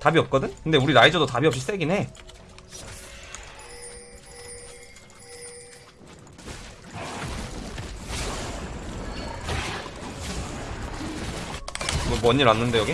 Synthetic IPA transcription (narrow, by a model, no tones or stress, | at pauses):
tabiʌp̚k͈ʌdɯɲkɯnde̞uɾiɾaid͡ʑʌdotabiʌp̚ɕ͈is͈eɡine̞ | omʌɲiɾanːɯnde̞jʌɡi